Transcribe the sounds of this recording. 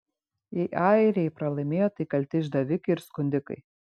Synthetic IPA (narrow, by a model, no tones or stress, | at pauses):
jɛɪʔɑːɪɾʲɛɪpɾɐlˠɐɪmʲeːjoːt̪ɐɪkɐlʲt̪ʲɪʒd̪ɐʋʲɪkɐɪɪɾskʊnʲd̪ʲɪkɐ̰ɪ